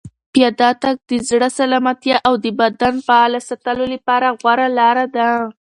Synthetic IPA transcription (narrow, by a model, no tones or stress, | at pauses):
pjɑd̪ɑt̪aɡ̚d̪əzɽəsalɑmat̪jaʔawd̪əbad̪anpaalasat̪alolapɑɾaɣwaɾalɑɾad̪a